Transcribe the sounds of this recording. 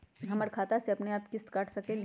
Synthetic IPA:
ɦɐməɾkʰaːt̪aseɐpneaːpkɪst̪kaːʈʰsɐkẽː

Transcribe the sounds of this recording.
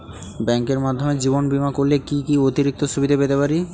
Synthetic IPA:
bɛŋkeɾmad̪ʱːomed͡ʑibonbimakoɾlekikiot̪iɾik̚t̪osubid̪ʱepet̪epaɾi

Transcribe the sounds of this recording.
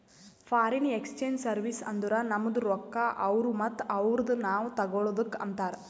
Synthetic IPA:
fʰaːɾinekst͡ʃeːɲd͡ʒsɐɾʋisɐnd̪uɾɐnɐmːɐd̪uɾɔkːaʔɐʋɾumɐt̪ːɐʋɾɐd̪unaːʋut̪ɐɡoɭod̪ukːɐ̰nt̪aːɾ

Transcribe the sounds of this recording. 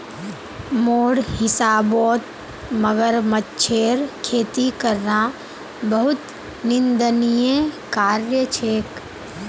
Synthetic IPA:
moːɽhɪsaːbɔːt̪ | məɡəɾmətt͡ʃʰeːɾkʰeːt̪ikəɾna | bəɦʊt̪ | nɪnd̪ənijẽkaːɾjət͡ʃʰeːk

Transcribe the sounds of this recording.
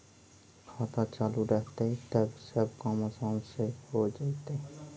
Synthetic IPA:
kʰaːt̪at͡ʃaːluɾɛkt̪eɦɛt̪ɐbsɐb̚kaːməsãːnsehod͡ʒaːt̪e

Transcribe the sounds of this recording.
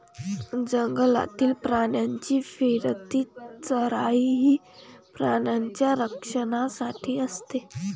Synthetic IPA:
d͡ʑəŋɡəla̰t̪iːlpɾaɳjaɲt͡ɕiːfeɾt̪iːt͡səɾaiɦiː | pɾanjaɲt͡ɕjaɾəkʂəɳ̃asaʈʰiːəst̪e

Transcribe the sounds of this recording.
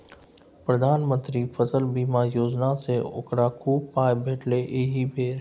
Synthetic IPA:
pɾəd̪ʱaːnmə̃nt̪ɾipʰəsəlbiːmajoːd͡ʒnaseo̰kɾakʰuːpːaːjbʱeːʈleʔeːɦibʱeːɾ

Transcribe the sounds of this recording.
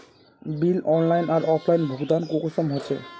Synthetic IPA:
bilɔnlajnaɾʔɔpʰlajnbʱuɡd̪ankokosɔmɦot͡ɕʰḛ

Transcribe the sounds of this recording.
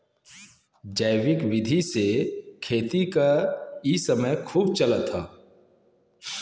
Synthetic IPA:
d͡ʒaːwɪkwɪd̪ʱisekʰeːt̪ikaisəməjkʰuːb̚t͡ʃələt̪ɦaː

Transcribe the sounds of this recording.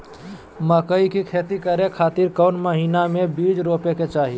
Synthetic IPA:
məkəikikʰeːt̪ikəɾekʰaːt̪iɾkəʊnməɦiːnamebid͡ʒɾopeket͡ʃaːɦi

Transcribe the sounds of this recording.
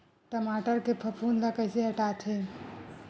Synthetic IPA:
ʈəmaːʈəɾkepʰəpʰuːnlakəɪseɦəʈaːt̪ʰe

